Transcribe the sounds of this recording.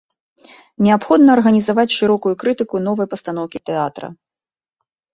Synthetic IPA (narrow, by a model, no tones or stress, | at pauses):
nʲɛapxɔd̪nɐːrɣɐnʲizavat͡sʲʂɨɾɔkujukɾɨt̪ɨkunɔvɐjpɐst̪anɔwkʲit̪ɛat̪ɾɐ̰